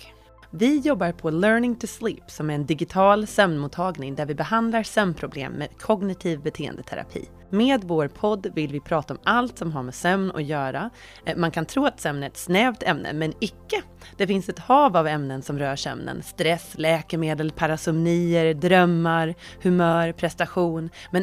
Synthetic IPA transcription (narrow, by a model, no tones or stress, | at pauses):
vɪjɔbːaɾpʰɔlœːɾnɪŋt̪ʰʊsliːpsɔmæɾɛnd̪ɪɡɪt̪ʰɑːlsœmnmuːt̪ʰːɑːɡnɪŋd̪æɾvɪbɛɦand̪laɾsœmnpʰɾʊblḛːmːḛːd̪kʰɔɡnɪt̪ʰiːvbɛt̪ʰeːə̰nd̪ət̪ʰɛ̰ɾa̰pʰḭː | meːd̪voːɾpʰɔd̪ːvɪlvɪpʰɾɑːt̪aɔmalt̪sɔmɦaɾmeːsœmnɔ̰kjœːɾa | mankʰant̪ʰɾuːat̪sœmnæɾɛt̪snɛːvt̪ɛmnʔə̰mɛnɪkːə | d̪̥ɛfɪnsɛt̪hɑːvavɛmnənsɔmɾœːʂœ̰mnə̰nst̪ɾɛslɛːkəmeːd̪əlpʰaɾasʊmniːəɾd̪ɾœmːaɾhɵmœːɾpʰɾɛst̪aɧuːnmɛn